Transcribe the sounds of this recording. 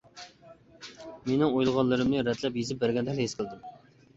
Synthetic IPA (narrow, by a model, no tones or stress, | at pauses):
menɪŋojlˠʁɑnlːˠɨɾɨmnɨɾɛt̪lɛpjezɪp̚bæɾɡʲɛnd̪ɛlhesqʰəlˠd̪ɪm